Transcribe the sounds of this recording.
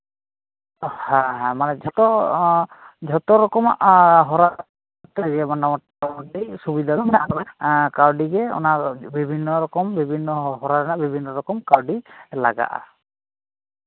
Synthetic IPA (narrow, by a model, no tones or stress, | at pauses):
hãɦãmanɛd͡ʒɔt̪ɔ | d͡ʒʱɔt̪ɔɾɔkɔma̰ʔɦɔɾa | tɛɡɛmandamɔt | mɔisubid̪ʱaɾmanɛʔaɡɔnakaɹɖiɡɛɔ̰nabibʱinːɔɹɔkɔmbibʱinːɔɦɔɾaɾanabibʱinːɔɹɔkɔmkaɹɖila̰ɡa̰ʔa̰